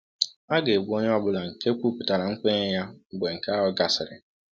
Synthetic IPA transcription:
a˦ɡe˨ɡʷu˨˦o˦ɲ˦ɔ˦bʊ˦la˨ŋ̩˨ke˦kʷu˦pʊ̥˨ta˨ɾa˨ŋ̩˦kʷe˦ɲ˦ja˦˨ɡ͡be˨ŋ̩˨ka˦ɦʊ˦ɡa˨sɪ˨ɾɪ̰˨

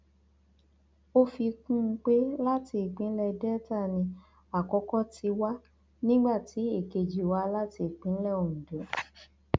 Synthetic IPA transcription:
o˦fi˧kũ˦˧˦k͡pe˦la˦ti˧i˨k͡pĩ˨˦n̩˦lɛ˧dɛ˦ta˦˨nĩ˧ | a˨kɔ˧˦kɔ˦ti˧wa˦ | nĩ˦ɡ͡ba˦˨ti˨˦e˦˨ke˨d͡ʒi˨wa˦la˦ti˧˦˨k͡pĩ˨˦lɛ˦˨o˨ñ̩˨dõ˨˦

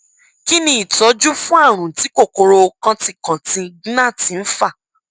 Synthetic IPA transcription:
ki˦nĩ˦i˦˨tɔ˨˦d͡ʒu˦fũ˦a˦˨ɾ̃ũ˨ti˨˦ko˦˨ko˧ɾo˧kã˧ti˦˨kã˨tĩ˧˦ɡĩ˦nã˦˨tĩ˨˦n̩˦fa˦˨

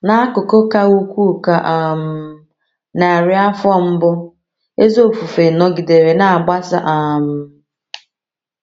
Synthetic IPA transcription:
na˦a˦kʊ˨ko˦ka˦u˦kʷu˦˨ka˨ʔa˨m̩˦ | na˨ɾɪ˦a˦fɔ˦m̩˦bʊ˦ | e˦zo˦˨fu˨fe˨nɔ˦ɡɪ˨de˨ɾe˨na˨a˨ɡ͡ba˦sa̰˦ʔa˨m̩˦

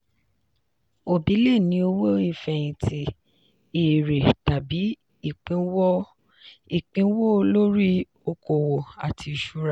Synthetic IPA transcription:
o˨bi˨˦le˦˨nĩ˧˦o˧wo˦i˦˨fɛ˧j̃ĩ˨ti˨ | e˨ɾe˨ta˨bi˨˦ | i˦˨k͡pĩ˨˦wɔ˦ | i˦˨k͡pĩ˨˦wo˦lo˦ɾi˦ | o˧ko˨wo˨a˨tʰi˧˨ʃu˦ɾa˦˨

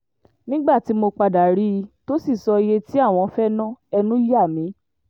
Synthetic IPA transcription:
nĩ˦ɡ͡ba˦˨ti˨˦mo˧k͡pa˧da˨ɾi˦˧to˦si˦˨sɔ˧je˧ti˦a˦˨w̃ɔ̃˧fɛ˦nã˦˨ɛ˧nũ˦i˦ja˦˨mĩ˨˦

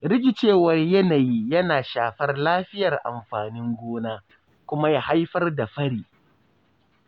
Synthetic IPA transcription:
ɾɪ˦ɡʲɪ˨t͡ʃeː˦˨wɐ˦rjɐ˦naː˨ji˦jɐ˦naː˨ʃaː˨ɸɐ˦rlaː˦ɸɪ˦jɐ˨rʔa̰˨mɸaː˨nɪ˦ŋɡʷoː˦naː˦ | kʷʊ˦ma˦ja˨ha˦jɸɐ˦rda˨ɸɐ˦ɽiː˨

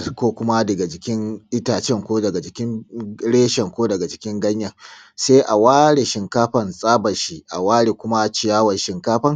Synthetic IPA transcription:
kʷoː˦kʷʊ˦ma˦dɐ˨ɡa˨d͡ʒɪ˨kʲɪ˦ŋʔɪ˦taː˨t͡ʃɛ˦˨ŋkʷoː˦dɐ˨ɡa˨d͡ʒɪ˨kʲɪ˦nɽeː˦ʃɛ˨ŋkʷoː˦dɐ˨ɡa˨d͡ʒɪ˦kʲɪ˦ŋɡɐ˦ɲja˨ | se˦ʔa˨waː˦ɽe˨ʃɪ˨ŋkaː˦ɸɐ˨nsʼaː˦bɐ˨ʃi˦ʔa̰˨waː˦ɽeː˨kʷʊ˦ma˦˨t͡ʃɪ˨jaː˦wɐ˨nʃɪ˨ŋkaː˦ɸɐ˦ŋ

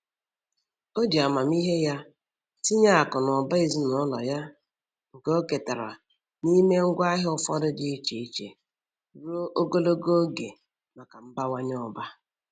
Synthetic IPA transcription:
o˦di˨a˨ma˨m˦i˦ɦe˦ja˦ | ti˦ɲa˦a˨kʊ˨nɔ˨ba˦i˨zi˦nɔ˨˦lɔ˨ja˦ | ŋ̩˨ko˦ke˨ta˨ɾa̰˨ | ni˦me˦ŋ̩˦ɡʷa˦ɦɪ˦ʊ˦fɔ̰˦dʊ˦dɪ˦i˦t͡ʃe˨i˦t͡ʃe˨ | ɾo˦ʔo˦ɡo˦lo˦ɡo˦ɡe˨ | ma˨ka˨m̩˦ba˦wa˦ɲ˦ɔ˨ba˦

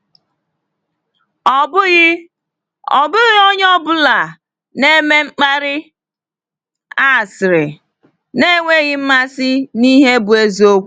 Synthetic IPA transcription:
bɣ | ɔ̰˨bʊ˦ɣɪ˦o˦ɲ˦ɔ˦bʊ˦la˨ | ne˦me˦ŋ͡m̩˦k͡pa˦ɾɪ˦ | a˦˨sɪ˨ɾɪ˨ | ne˦ŋʷe˦ɣɪ˦m̩˦ma˦sɪ˦ni˦ɦe˦bʊ˨e˦zi˨o˦kʷu˦

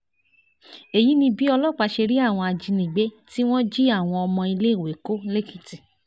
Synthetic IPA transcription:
e˨ji˨˦nĩ˧bi˦ɔ˧lɔ˦˨k͡pa˨˧ʃe˧ɾi˦a˦˨w̃ɔ̃˧a˧d͡ʒi˧nĩ˨ɡ͡be˨˦ti˦w̃ɔ̃˦d͡ʒi˦a˦˨w̃ɔ̃˧ɔ˧mɔ̃˧i˧le˦i˦˨we˨˦ko˦le˦ki˦˨ti˨

